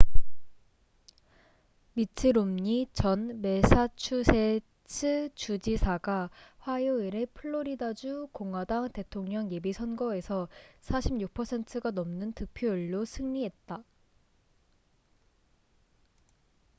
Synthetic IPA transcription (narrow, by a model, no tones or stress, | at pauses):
mitʰɯɾomɲit͡ɕʌnme̞sʰat͡ɕʰusʰe̞ | t͡ɕʰɯt͡ɕud͡ʑisʰaɡaɸwajoiɾepʰɯɭːoɾidad͡ʑukoŋɦwadaŋte̞tʰoŋɲʌŋje̞bisʰʌnɡʌe̞sʰʌsʰaɕʰimjuk̚pʰʌsʰe̞ntʰɯɡanʌmnɯntɯk̚pʰjoiɭːosʰɯŋɲiɦe̞t̚t͈a